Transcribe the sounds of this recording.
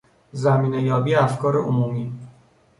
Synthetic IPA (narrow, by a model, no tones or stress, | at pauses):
zæmiːnejɒːbiːæfkʰɒːɾeʔomuːmiː